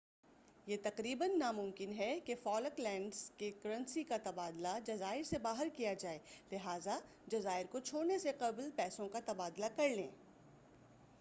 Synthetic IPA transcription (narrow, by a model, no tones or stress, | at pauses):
jeːt̪ɐqɾiːbənːamʊ̃mkɪnɦɛkefɔːləklɛ̃ːɳɖzkekɐɾə̃nsikat̪ɐbaːd̪lad͡ʒɐzaːɪɾsebaːɦəɾkijad͡ʒaːeːlɪɦaːza | d͡ʒɐzaːɪɾkot͡ʃʰoːɽneseqɐblpɛːsõkat̪ɐbaːd̪lakɐɾlẽː